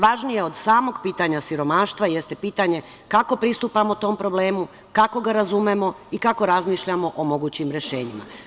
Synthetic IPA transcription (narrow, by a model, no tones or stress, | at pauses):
ʋaʒnije̞o̞d̪saːmo̞ɡpiːt̪aɲasiɾo̞maːʃt̪ʋaje̞st̪e̞piːt̪aɲe̞ | kako̞pɾist̪upamot̪o̞mpɾo̞ble̞ːmu | kako̞ɡaɾazume̞mo̞ | ikako̞ɾazmiːʃʎamo̞ʔomo̞ɡuːt͡ɕimɾe̞ʃeːɲima̰